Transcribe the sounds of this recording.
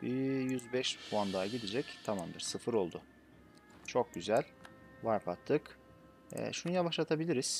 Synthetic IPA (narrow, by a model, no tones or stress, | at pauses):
bijyzbɛʃpʰuand̪aɟid̪id͡ʒɛct̪ʰamamd̪ɯɾ̥sɯfɯɾo̞lˠd̪ʊ | t͡ʃʰo̞k̚ɟyzælʲ | vaɾpʰat̪ʰːɯk | ɛ̰ːʃunɯjaβaʃlˠat̪ʰabilʲiɾiz̥